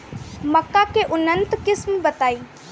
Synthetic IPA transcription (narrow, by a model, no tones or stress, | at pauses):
məkːakeʔʊnənt̪kɪsmbət̪aːi